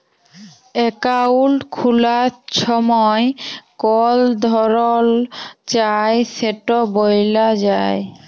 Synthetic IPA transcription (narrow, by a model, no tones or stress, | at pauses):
ɛkaulkʰulaʃɔmɔekɔld̪ʱɔɾolt͡ɕajseʈobojlad͡ʑae